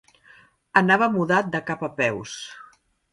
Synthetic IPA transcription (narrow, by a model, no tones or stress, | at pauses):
ənaβəmuðat̪̚d̪əkapəpɛws